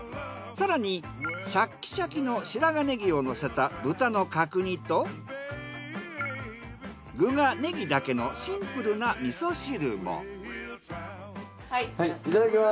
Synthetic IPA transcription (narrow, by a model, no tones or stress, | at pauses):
saɾaɲ̟i | ɕakʲːi̥ɕakʲino̞ɕiɾaɡane̞ɡʲio̞no̞se̞t̪abɯ̟t̪ano̞kakɯ̟ɲ̟it̪o̞ | ɡɯ̟ɡane̞ɡʲid̪ake̞no̞ɕĩmpɯ̟ɾɯ̟namʲiso̞ɕiɾɯ̟mo̰ | iit̪ad̪akema